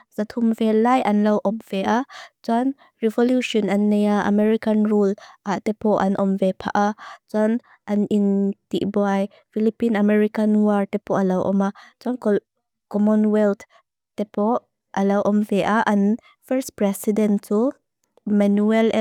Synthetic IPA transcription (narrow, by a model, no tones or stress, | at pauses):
z̥at̪ʰumvɛlajʔanlawʔɔmv̥ɛʔat͡san | ɹɛvɔljuʃɔnanːejaʔa̰mɛɹikanɹulatɛpɔʔa̰nʔɔmvɛpʰa̰ʔat͡swan | ʔanintiʔbɔaj | filipinamɛɹikanwaɹtɛpɔʔalawʔɔ̰mat͡sankɔ | kɔmɔnwɛlt̪ʰ | tɛpɔ | ʔalawʔɔmvɛʔaʔan | fɛɹspɹɛsidɛntu | manuɛl